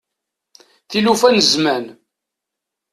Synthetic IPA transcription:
θilufænəzmæn

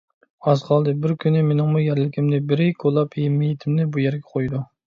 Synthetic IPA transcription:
ɑzqʰɑlˠd̪ɨbɪɾkʲʰynɪmenɪŋmujæɾlɪkʲʰimnɪbɪɾɪkʰolˠːɑpjemijɪt̪ʰɪmnɪbujæɾɡʲɛqʰojd̪u

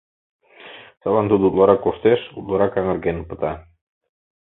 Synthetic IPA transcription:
salɑnt̪ud̪ut̪lˠɑɾɑkːoʃt̪eʃṵt̪laɾɑkaŋə̆ɾɡenpə̆t̪ɑ

